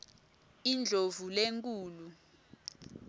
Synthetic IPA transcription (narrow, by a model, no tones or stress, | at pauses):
ind͡ɮʱovuleŋkʼuːlu